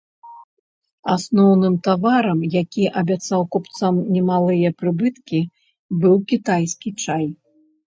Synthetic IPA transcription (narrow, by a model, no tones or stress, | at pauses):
asnɔwnɨmt̪avaɾɐmjakʲiʔɐbʲat̪sawkɔpt̪samnʲɛmalˠɨjɐpɾɨbɨt̪kʲi | bɨwkʲit̪ajsʲkʲit͡ʂaj